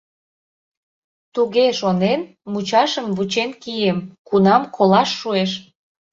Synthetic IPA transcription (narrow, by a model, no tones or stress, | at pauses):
t̪uɣeʃonen | mut͡ɕɑʃəmβut͡ɕenkijemkunɑmkolɑʃːueʃ